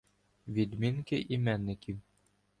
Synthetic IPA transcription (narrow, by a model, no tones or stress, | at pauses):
vʲid̪miŋkɘʔimænːɘ̆kim